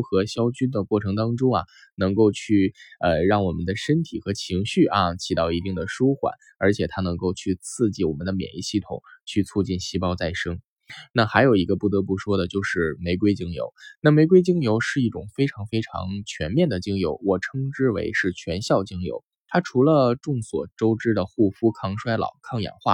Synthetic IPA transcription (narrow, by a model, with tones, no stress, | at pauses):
xɤ˧˥ɕjɑ˥ʊt͡ɕy˥nd̪ə˨kwɔ˥˩ʈ͡ʂʰɤ˧˥ŋt̪ɑ˥ŋʈ͡ʂʊ˥ŋɐ̰˨˩ | nɤ˧˥ŋko˥˧ʊt͡ɕʰy˥˩ə˧ɻɑ˥˩ŋwɔ˨˩mə˦nd̪ə˧ʂə˥nt̪ʰi˨˩xɤ˧˥t͡ɕʰi˧˥ŋɕy˥˩ʔɐ˧t͡ɕʰi˨˩t̪ɑ˥˩ʊi˧˥t̪i˥˩ŋd̪ə˩ʂu˥xwa̰˨˩˦n | ə˞˧˥t͡ɕʰjɛ˨˩t̪ʰa˥nɤ˧˥ŋko˥˧ʊt͡ɕʰy˥˧t͡sʰɹ̩˥˧t͡ɕi˥˩wɔ˨˩mə˦nd̪ə˧mjɛ̰˨˩nli˧˥ɕi˥˩t̪ʰʊ̰˨˩ŋt͡ɕʰy˥˧t͡sʰu˥˧t͡ɕi˥˩nɕi˥pɑ˥ʊt͡sa˥˩ɪʂɤ˥ŋ | na˥˩xa˧˥ɪjo˨˩ʊi˧˥ɡə˧pu˥˩t̪ɤ˧˥p̬u˥˩ʂwɔ˥d̪ə˨t͡ɕjo˥˧ʊʂɻ̩˥˩me˧˥ɪkwe˥ɪt͡ɕi˥ŋjo̰˧˥ʊna˥˩me˧˥ɪk̬we˥ɪt͡ɕi˥ŋjo˧˥ʊʂɻ̩˥˧i˥˩ʈ͡ʂʊ˨˩ŋfe˥ɪʈ͡ʂʰɑ˧˥ŋfe˥ɪʈ͡ʂʰɑ̰˧˥ŋt͡ɕʰɥɛ̰˧˥nmjɛ˥˩nd̪ə˩t͡ɕi˥ŋjo˧˥ʊwɔ˨˩ʈ͡ʂʰɤ˥ŋʈ͡ʂɻ̩˥wḛ˧˥ɪʂɻ̩˥˩t͡ɕʰɥɛ˧˥nɕjɑ˥˩ʊt͡ɕi˥ŋjo̰˧˥ʊ | t̪ʰa˥ʈ͡ʂʰu˧˥lə˧ʈ͡ʂʊ˥˩ŋswɔ̰˨˩ʈ͡ʂo˥ʊʈ͡ʂɻ̩˥d̪ə˨xu˥˩fu˥kʰɑ˥˧ŋʂwa˥ɪlɑ̰˨˩ʊkʰɑ˥˧ŋjɛ̰˨˩nxwa̰˥˩